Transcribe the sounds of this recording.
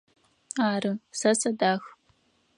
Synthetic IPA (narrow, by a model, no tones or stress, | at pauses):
aːɾɨsɐsɐdaːx